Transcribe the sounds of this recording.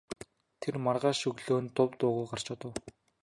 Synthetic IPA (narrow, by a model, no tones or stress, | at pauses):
t̪ʰermarʁaːʃɵɣɮoːnt̪ʊwt̪ʊːʁʊjɢar̥t͡ɕʊt̪ə̆w